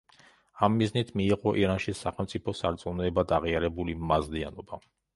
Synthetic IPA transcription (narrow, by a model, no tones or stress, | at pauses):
amːiznit̪ʰmiːʁɔʔiɾanʃisaχɛlˠmt̪sʼipʰɔsaɾt̪sʼunɛɛbad̪aʁiaɾɛbulimazlia̰nɔba